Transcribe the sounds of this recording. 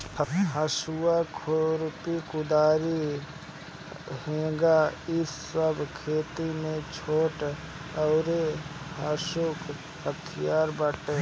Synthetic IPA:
ɦəʃuakʰoɾpikʊd̪aːɾi | ɦẽːɡaɪsːəbʱkʰeːt̪imẽt͡ʃʰoːʈ | əʊɾeɦəʃʊk | hət̪ʰɪjaːɾbəʈe

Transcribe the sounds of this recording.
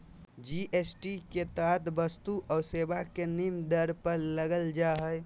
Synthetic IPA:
d͡ʒiʔesʈiket̪aːt̪bəst̪uʔʔɔːsebakenimd̪əɾpəɾləɡəld͡ʒaɦəj

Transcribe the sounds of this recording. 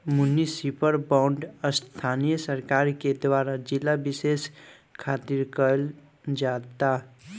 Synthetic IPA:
munːisipəɾbaʊɳɖəst̪ʰanijəsəɾkaɾked̪waɾad͡ʒilːabises | kʰat̪iɾkəl | d͡ʒat̪a

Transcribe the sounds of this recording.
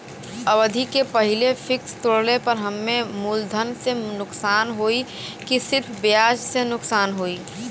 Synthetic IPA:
əʋəd̪ʱikepəɦɪlefʰɪkst̪oɽlepəɾɦəmːẽmuːld̪ʱənsenʊksaːnɦoːi | kisɪɾpʰbejaːd͡ʒsenʊksaːnɦoːiː

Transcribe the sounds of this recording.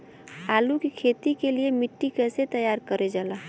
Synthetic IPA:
aːlukikʰeːt̪ikeliemɪʈːikɛːset̪əjaːɾkəɾed͡ʒaːlaː

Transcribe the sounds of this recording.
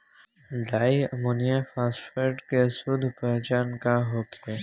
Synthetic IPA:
ɖaːiɐmoːnijafaːsfeɾɖkesuːd̪ʱpɛɦt͡ʃaːnkaɦoːkʰe

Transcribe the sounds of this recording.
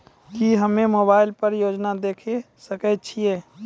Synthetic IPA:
d͡ʒiːɦəmẽmoːbaːɪlpəɾjoːd͡ʒnad̪eːkʰe | səkət͡ʃʰieː

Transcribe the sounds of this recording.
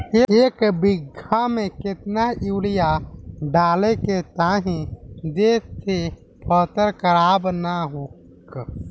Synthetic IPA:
eekbiɡʱamẽkɪt̪naiwlijaɖaːleket̪aɦĩd̪et̪ʰe | pʰət̪əɾkəɾaːbnaɦo | k

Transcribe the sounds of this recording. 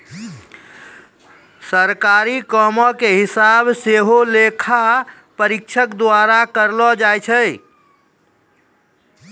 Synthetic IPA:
səɾkaɾikɔmɔkeɦisabseɦolekʰa | pəɾikt͡ʃʰəkd̪aɾakəɾlɔd͡ʒajt͡ʃʰəj

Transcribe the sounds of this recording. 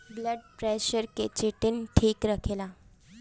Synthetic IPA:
bləɖ̚pɾeɕəɾket͡ɕeʈinʈʰiːkɾakʰela

